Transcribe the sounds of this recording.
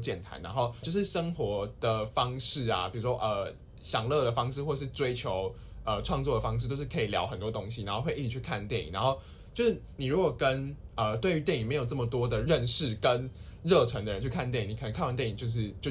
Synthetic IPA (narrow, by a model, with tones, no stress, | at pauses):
t͡ɕjɛ˥˩nt̪ʰa̰˧˥na̰˧˥nxo˥˩ʊt͡ɕjo˥˧ʊʂɻ̩˥˩ʂə˥ŋxwɔ˧˥d̪̥ə˨fɑ˥ŋʂɻ̩˥˩a̰˩pi˨˩ɻu˧˥ʂwɔ˥ʔə˨˩ | ɕjɑ˨˩ŋlɤ˥˩d̪ə˩fɑ˥ŋʂɻ̩˥˧xwɔ˥˩əʂɻ̩˥˩ʈ͡ʂwe˥ɪt͡ɕʰjo˧˥ʊ | ə˧ʈ͡ʂʰwɑ˥˧ŋt͡swɔ˥˩də˩fɑ˥ŋʂ̬ɻ̩˥˧t̪o˥˧ʊʂɻ̩˥˩kʰɤ˧˥i˨˩ljɑ̰˧˥ʊxə˨˩nt̪wɔ˥t̪o˥ŋɕi˨na˧˥nxo˥˧xwe˥˧ɪi˥˩i˨˩t͡ɕʰy˥˩kʰa˥˧nt̪jɛ˥˩nḭ˨˩ŋna˧˦xo˥˧ʊ | t͡ɕjo˥˧ʊʂɻ̩˥˩ | ni˨˩ɻu˧˥kwɔ˨˩kə˦n | ə˩t̪we˥ɪy˧˥t̪jɛ˥˩ni˨˩ŋme˧˥jo˨˩ʊʈ͡ʂə˥˩mə˩t̪wɔ˥d̪ə˨ɻə˥˧nʂɻ̩˥˩kə˦n | ɻɤ˥˩ʈ͡ʂʰə˧˥ŋd̪ə˨ɻə˧˦nt͡ɕʰy˥˩kʰa˥˧nt̪jɛ˥˩nĩ˨˩ŋni˨˩kʰə˨˩nə˧˥kʰa˥˧nwa˥˧t̪jɛ˥˩ni˨˩ŋt͡ɕjo˥˧ʊʂ̬ɻ̩˥˩t͡ɕjo˥˧